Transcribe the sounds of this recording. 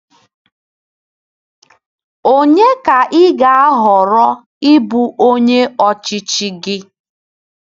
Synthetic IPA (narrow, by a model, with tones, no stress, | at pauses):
o˦ɲe˦ka˨ʔɪ˦ɡa˨a˦ɦɔ˨ɾɔ˦ | ɪ˦bu˨ʔo˦ɲe˦ɔ˨t͡ʃɪ˦t͡ʃi˦ɡɪ˦